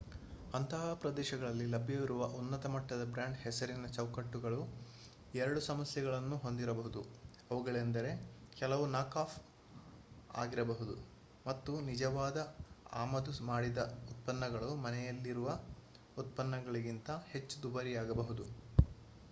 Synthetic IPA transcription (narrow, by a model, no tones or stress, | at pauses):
ɐnt̪ɐɦapɾɐd̪ɛːʃɐɡɐɭɐlːilɐbʱjɐʋiɾuʋɐʔunːɐt̪ɐmɐʈːɐd̪ɐbɾaːɳɖhɛsɐɾinɐt͡ʃɐwkɐʈːuɡɐɭu | ɛɾɐɽusɐmɐsjɛɡɐɭɐnːuɦo̞nd̪iɾɐbɐɦud̪u | ɐʋuɡɐɭend̪ɐɾe̞kɛlɐʋunaːkaːp | a̰ːɡiɾɐbɐɦud̪u | mɐt̪ːunid͡ʒɐʋaːd̪ɐa̰ːmɐd̪umaːɽid̪ɐut̪̚pɐnːɐɡɐɭumɐnɛjɐlːiɾuʋɐ | ut̪̚pɐnːɐɡɐɭiɡint̪ɐhe̞t͡ʃːud̪ubɐɾijaːɡɐbɐɦud̪u